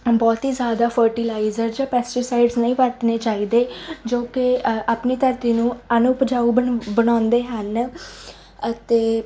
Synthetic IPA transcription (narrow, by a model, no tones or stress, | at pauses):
bɔːt̪ɦiːzjaːd̪aːpʰəɾʈilaːizəɾd͡ʒãːpɛːsʈiːsaːɪɖznəĩːʋəɾt̪neːt͡ʃaːiːd̪eːd͡ʒoːkɪʔaːpniːt̪əɾt̪iːnũːənupd͡ʒaːubəbənaːnd̪eːɦən | ət̪eː